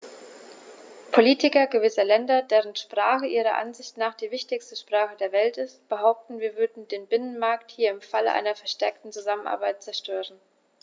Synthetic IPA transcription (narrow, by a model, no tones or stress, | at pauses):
pʰoliːtɪkɐɡəvɪsɐlɛndɐdeːʁ̞ənʃpʁ̥aːχəʔiːʁ̞ɐ̰ʔa̰nzɪçtnaːχd̥iːvɪçtɪçstəʃpʁ̥aːχədeːɐvɛltɪst̚b̥əɦaʊp̚tn̩viːɐvʏɐdn̩deːnbɪnənmaɐkthiːɐɪmfaləʔa̰ɪnɐfɛɐʃtɛɐk̚tn̩t͡suzamənʔa̰ɐbaɪt̚t͡sɛɐʃtøːʁ̞ən